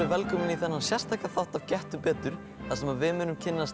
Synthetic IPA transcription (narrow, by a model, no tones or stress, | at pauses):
ɪvɛlkœːmɪniθɛnːansjɛst̪ajklaθawht̪av̥cɛht̪ʏpɛːt̪ʏɾ̥ | θasɛmavɪmʏːnʏmcʰɪnːast̪